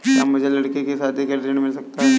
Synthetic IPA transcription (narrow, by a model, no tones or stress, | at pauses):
jaːmʊd͡ʒʱelɐɽkikesaːd̪ʱikɐɾɾenmɪlsɐk̚t̪aɦɛ